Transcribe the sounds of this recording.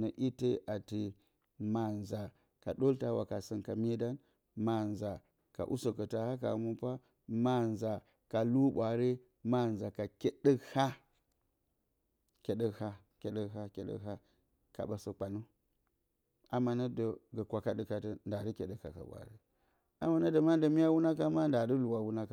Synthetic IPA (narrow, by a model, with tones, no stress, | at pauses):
nə˨ʔi˦te˦ʔa˨ti˨ | ma˨nza˨ | ka˨ɗo˦lta˦wa̰˨ka˨sə˨nka˨mi˦da˦n | ma˨nza˨ | ka̰˨ʔṵ˦so˨kə˨ta˨ha˦ka̰˨mu˦pa˦ | ma˦nza˨ | ka˨lu˦ɓʷa˨ɾi˦ | ma˦n˨za˨ka˨ke˦ɗə˦ha˦ | kʲe˨ɗə˦kha˦ | kʲe˨ɗə˦ɦa˦kʲḛ˨ɗə̰˦ɦa˦ | ka̰˨ɓa˨sə˦k͡pa˨nu˦ | a˨ma˨na˦də˨ɡə˨kʷa˨ka˦də˦ka˨tə˦nda˨də˦kʲe˨ɗə˨ka̰˨ka̰˨ɓʷa̰˨ɾḭ˦ | a̰˨ma˦na˦də˨ma˦də˨mi˦ja˦wu˦na˦ka˦ma˦nda˨də˦lu˨wa˨wu˦na˦ka˨